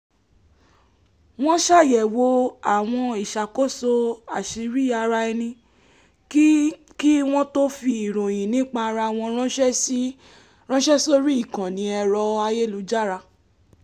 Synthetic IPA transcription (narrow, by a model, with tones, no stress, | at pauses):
w̃ɔ̃˦ʃa˦˨jɛ˨wo˧a˦˨w̃ɔ̃˧i˨ʃa˨ko˦˨so˧a˨ʃi˨˧ɾi˦a˧ɾa˧ɛ˧nĩ˧ | ki˦w̃ɔ̃˦to˦fi˧i˨ɾ̃õ˨jĩ˨nĩ˦k͡pa˧ɾa˧w̃ɔ̃˧ɾ̃ɔ̃˦ʃɛ˦si˦ | ɾ̃ɔ̃˦ʃɛ˦so˦ɾi˦i˦˨kã˨nĩ˨˧˦ɛ˧ɾɔ˧a˧je˦˨lu˨˦d͡ʒa˦˨ɾa˧